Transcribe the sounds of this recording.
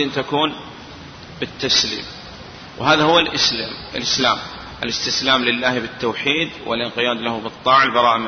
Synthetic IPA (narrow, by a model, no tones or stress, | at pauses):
ɪnt̪akuːn | bɪt̪ːaslḭːm | wɦaːðahʊwːalʔɪslaːmɪlʔɪslaːm | ʔɪlɪst̪ɪslaːmlɪlːaːhbɪt̪ːowħiːd̪wɪ̰lʔɪnqɪjaːd̪lahubɨt̪ˤːɑːʕɪlbɑɾˤɑːʔm